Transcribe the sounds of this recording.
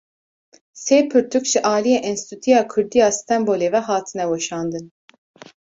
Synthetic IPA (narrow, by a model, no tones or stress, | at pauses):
seːpʰɨɾt̪ʰukʒɪʔɑːlijeːʔɛnst̪ʰut̪ʰijɑːkʰʊɾd̪ijɑːsɨ̥t̪ʰɛmboːleːvɛɦɑːt̪ʰɨnɛwɛʃɑːnd̪ɨn